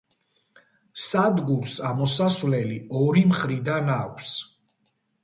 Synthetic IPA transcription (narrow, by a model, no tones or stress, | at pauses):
sad̪ɡuɾsamɔsasvlɛliɔɾimχɾid̪anakʷʰs